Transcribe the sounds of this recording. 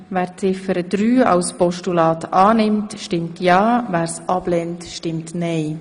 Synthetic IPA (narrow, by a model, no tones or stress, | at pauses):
væːɾt͡sɪfəɾəd̥ɾyːɑ̰wspɔʃtulɑːtɑːnɪmtʃtɪmtʰjɑːvæːɾsʔɑb̥lɛntʃtɪmtnɛɪ